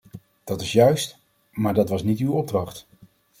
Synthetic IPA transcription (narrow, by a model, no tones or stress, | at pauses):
d̥ɑtɪsjœɥst | maːɹdɑtʋɑsnitywɔb̚drɑχt